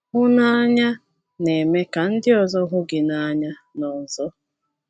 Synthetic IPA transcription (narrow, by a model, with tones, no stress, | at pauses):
ɦʊ˦na˦ɲa˦ | ne˨me˦ka˨n̩˦dɪ˦ɔ˨zɔ˦ɦʊ˦ɡɪ˨na˦ɲa˦nɔ˨n̩˨zɔ˦